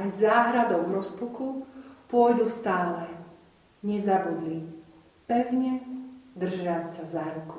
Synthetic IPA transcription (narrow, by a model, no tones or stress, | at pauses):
ajzaːɦɾad̪ɔʊvɾɔspukupʊɔjd̪ust̪aːlɛ | ɲɛzabud̪li | pɛʊɲɛd̪r̩ʒacsazaɾuku̥